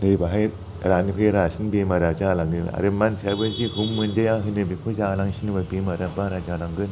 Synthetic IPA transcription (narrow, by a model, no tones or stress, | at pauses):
nɯbaɦaj | ɾanipʰɯjɾasinbemaɾad͡ʒalaŋnɯ̰a̰ɾɯmansʰabɯziɦumːɯnd͡ʒajaŋɦɯnɯbikʰuzalaŋsinibabemaɾabaɾad͡ʒalaŋɡɯn